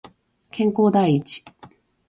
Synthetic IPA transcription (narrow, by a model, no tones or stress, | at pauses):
kẽ̞ŋko̞ːd̪aiːt͡ɕi̥